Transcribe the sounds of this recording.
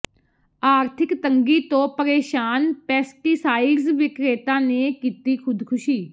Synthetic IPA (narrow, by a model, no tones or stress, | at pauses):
aːɾt̪ʰɪkt̪əŋɡiːt̪õːpəɾeːʃaːnpɛːsʈiːsaːizʋɪkɾeːt̪ãːneːkiːt̪iːkʰʊd̪kʰʊʃiː